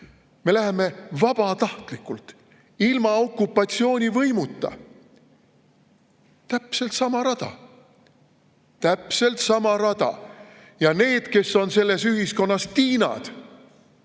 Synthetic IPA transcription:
me̞læɦe̞me̞vɑb̥ɑt̪ɑht̪likːˑult̪ | ilmɑo̞kːˑupːˑɑt̪sio̞ːnʲivɤ̞jmut̪ːˑɑ̰ | t̪æpse̞lt̪sɑmɑɾɑd̪̥ɑ̰ | t̪æpse̞lt̪sɑmɑɾɑd̪ɑ̰ | jɑne̞ːd̪̥ke̞sːo̞nse̞lːe̞syɦisko̞nːɑst̪iːnɑ̰d̪̥

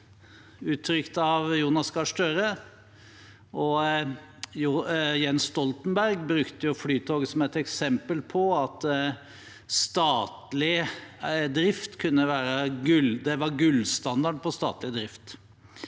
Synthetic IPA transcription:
ʉːt̪ʰːɾʏkt̪ɑʋjuːnɑskɑʂʈøɾə | ʔɔ | jjɛnst̪ɔlt̪nbæɾɡbɾʉkt̪əjʊflyːt̪ʰoːɡsɔmɛt̪ɛksɛmpəlpʰɔɑt̪ | st̪ɑːt̪lɪ | d̪ɾɪft̪kʰʉnːəʋæːɾəɡʉld̪ɛʋɑɾɡʉlst̪ɑnd̪ɑɖpʰɔst̪ɑ̰ːt̪lɪd̪ɾɪft̪

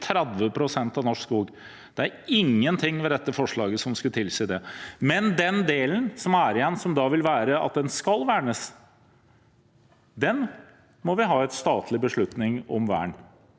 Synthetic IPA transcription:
t̪ʰɾæd̪ʋəpʰɾʊsɛnt̪ɑʋnɔʂskuːɡ | d̪̥ɛæɾɪŋːənt̪ʰɪŋːʋɛd̪ɛt̪ːəfɔʂɭɑːɡəsɔmskʉt̪ʰɪlsiːd̪ɛmɛnd̪ɛnd̪eːlənsɔmæɾɪjɛnːsɔmd̪ɑʋɪlʋæːɾəɑ̰t̪̚d̪ɛnskɑlʋæːɳəs | d̪ɛn | mɔʋɪɦɑːɛt̪st̪ɑːt̪ʰlɪbəʂɭʉt̪nɪŋɔ̰mʋæ̰ːɳ

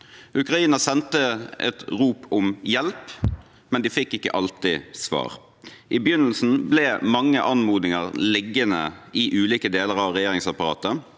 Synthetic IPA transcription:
ʔʉkɾɑiːnəsɛnt̪əɛ̰t̪ʁuːpʰɔmjɛlp | mɛnd̪iːfɪkːɪkːə̰ʔɑlt̪ɪsʋɑ̰ːʁ | ʔɪbjʏnəl̩sn̩blɛmɑŋːəʔɑnmuːd̪ɪŋəʁlɪɡːənə̰ɪʔʉːliːkəd̪eːləʁɑʋɾɛjeːɾɪŋsɑpɑɾɑ̰ːt̪ə

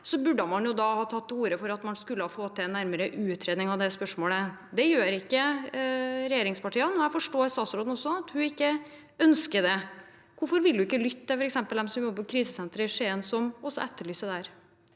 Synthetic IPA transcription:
sɔbʉɖəmɑnjʊd̪ɑhɑːt̪ʰɑt̪ːuːɾəfɔɾɑt̪mɑnskʉlːəhɑfoːt̪ʰɪnːæɾməɾəʔʉːt̪ʰɾeːd̪nɪŋɑʋd̪ɛspœʂmoːləd̪ɛjøːɾɪkːə | ɾɛjeːɾɪŋspɑʈʰiːɑnɔæfɔʂʈoːɪst̪ɑːt̪sɾoːd̪n̩ɔsɔɑt̪hʉɪkːə | œnskəd̪ɛ | kʊɾfɔɾʋɪld̪ʉɪkːəlʏt̪ːəfɔɾɛksɛmpəld̪ɛmsɔmɔpːɔkʰɾiːsəsɛnt̪ɾəɪʂeːənsɔmɔsːɔ̰ɛt̪ːəɭyːsəd̪æɾ

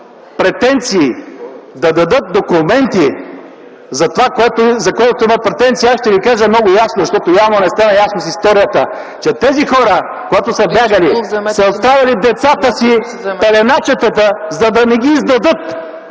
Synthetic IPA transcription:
pɾɛt̪ɛnt̪siːd̪ɐd̪ɐd̪ɤt̪̚d̪okʊmɛnt̪i | zɐt̪ovakoɛt̪ozɐkoɛt̪ot̪oiməpɾɛt̪ɛnt̪siasʃt̪ɛvikaʒəmnɔɡʊjasnozɐʃt̪ɔt̪ojavnonɛst̪anɐjasnosist̪ɔɾijət̪ə | t͡ʃɛt̪ɛzixɔɾə | koɡat̪osɐbʲjaɡɐlisɐot̪st̪ɾavʲɐlid̪ɛt̪sat̪əsi | pɛlɛnat͡ʃɛt̪ət̪əzɐd̪ɐnɛɡʲiːzd̪ɐd̪ɤt̪

